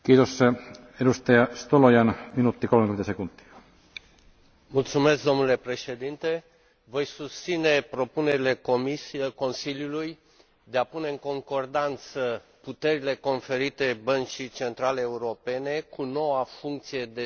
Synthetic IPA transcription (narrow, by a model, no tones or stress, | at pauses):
kiːt̪os | edust̪ɑjɑst̪olojɑnminut̪ːikolmekyent̪æsekunt̪ːi̥ɑ̥ | mult̪sume̞sk̚d̪o̞mnule̞pɾe̞ʃe̞d̪int̪e̞ | vo̞jsust̪sine̞pɾo̞pune̞ɾile̞komisko̞nsiljuluj | d̪e̞apune̞ɨŋko̞ŋko̞rd̪ant̪sə | put̪e̞ɾile̞ko̞nfe̞ɾit̪e̞bənt͡ʃit͡ʃe̞nt̪ɾaleːuɾo̞pe̞ne̞kuno̞wafuŋk̚t̪sije̞d̪e